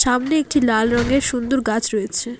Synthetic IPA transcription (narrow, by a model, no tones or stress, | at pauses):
ʃamneek̚ʈilalɾɔŋɡeʃund̪uɾɡat͡ɕʰɾojet͡ɕʰe